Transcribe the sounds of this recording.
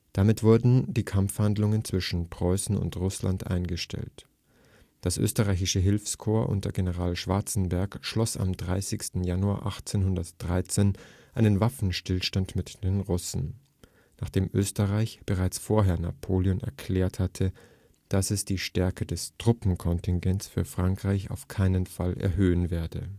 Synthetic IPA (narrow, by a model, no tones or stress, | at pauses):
d̥amɪtv̥ʊɐdn̩diːkʰamfhandlʊŋənt͡sv̥ɪʃn̩pʁ̥ɔʏsn̩ʊ̰ntʁʊsla̰ntʔa̰ɪnɡəʃtʰɛ̰lt | d̥asʔø̰ːstəʁaɪçɪʃəɦɪlfskʰoːɐʔʊ̰ntd̥eɐɡenəʁaːlʃv̥aɐt͡sn̩bɛɐkʃlɔsa̰mdʁaɪsɪçstn̩janua̰ːɐʔaχt͡seːnhɦʊndɐtd̥ʁaɪt͡seːnʔaɪnənvafn̩ʃtɪlʃtantmɪtd̥eːnʁʊsn̩ | naːχd̥eːmʔø̰ːstəʁaɪçb̥əʁaɪt͡sfoːɐɦeːɐna̰pʰoːljɔnɛ̰ɐkʰl̥ɛːɐthatʰə | d̥asɛsd̥iːʃtɛɐkədɛstʁ̥ʊpm̩kʰɔntɪnɡɛntsfyːɐfʁ̥aŋkʁ̥aɪça̰ʊfkʰaɪnənfalɛ̰ɐhɦøːənveːɐdə